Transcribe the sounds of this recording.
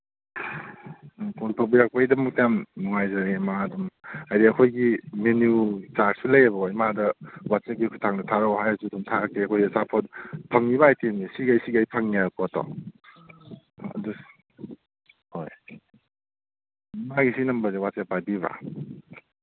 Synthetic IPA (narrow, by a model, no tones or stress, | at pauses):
kuɾpʰɐbiɾak̚pɐjdɐmɐk̚tijamːuŋajzaɾemadumajdiɐkʰojɡimenjut͡ʃaʈsulɐjebɐɔimadɐwat͡ʃekikʰutʰaŋdɐtʰaɾɔhajazudumtʰaɾkːeɐkʰojdɐsapʰɔt̚pʰɐŋiβaajtenisiɡajsiɡajpʰɐŋiakɔtɔ̰ | ɐ̰du | ho̰j | imaɡisinɐmbɐzewat͡ʃapajbiβa̰